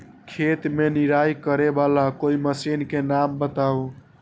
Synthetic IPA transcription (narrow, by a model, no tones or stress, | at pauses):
kʰet̪meniɾajkəɾebalakoiməsinkenambət̪au